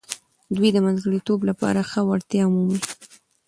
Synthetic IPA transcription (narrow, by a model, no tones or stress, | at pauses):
d̪wid̪əmanzɡəɽit̪oblapɑ̰ɾaxəwaɽt̪jɑʊmumi